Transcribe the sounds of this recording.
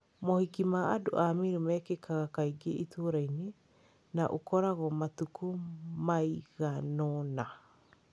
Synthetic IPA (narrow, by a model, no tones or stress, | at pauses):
mɔhikimaado̰ʔamiɾumɛkekʰaɣakaiɡeʔitoːɾaine | naʔokɔɾaɣɔmatukumaiɣanɔna